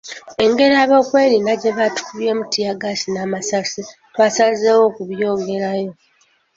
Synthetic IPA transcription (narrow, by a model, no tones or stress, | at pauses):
e̞ŋɡe̞ɾiaβo̞ːkwe̞ːɾinaɟe̞βatu̥kuβje̞ːmutijaɡasinaːmasasitwaːsazewo̞kuβjo̞ːŋɡe̞ɾajo̞